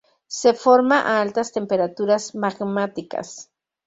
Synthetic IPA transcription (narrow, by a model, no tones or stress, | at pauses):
sefoɾmaʔalt̪ast̪empeɾat̪uɾasmaɡmat̪ika̰s